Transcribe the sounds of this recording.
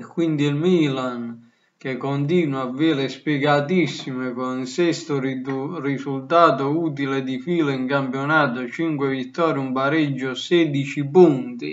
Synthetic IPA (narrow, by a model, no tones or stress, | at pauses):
kːwind̪iilmilan | k̟ekːont̪iːnwaːvːiːɾespjɛɡat̪̬isːimekoninsɛst̪ʊurisult̪aːt̪ʊuːt̪̬iled̪ifiːleiŋkampjonaːt̪ot͡ʃiŋkwevit̪ːɔːɾjumpaɾɛd͡ʒːʊsɛːd̪it͡ʃipunt̪ḭ